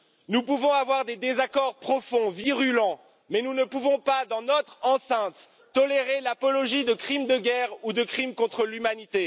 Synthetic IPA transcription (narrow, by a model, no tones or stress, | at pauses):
nupuvɔ̃avwaʁd̪ed̪ezakɔʁpχɔfɔ̃viʁylɑ̃ | mɛnunəpuvɔ̃pad̪ɑ̃nɔt̪χɑ̃sɛ̃t̪ː | ɔleʁelapɔlɔʒid̪əkχimd̪əɡʲɛʁud̪əkχimkɔ̃t̪χəlymanit̪e